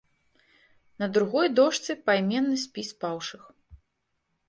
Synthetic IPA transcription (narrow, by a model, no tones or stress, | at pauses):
nɐd̪ɾuɣɔjd̪ɔʂt̪sɨpajmʲɛnːɨsʲpʲispawʂɨx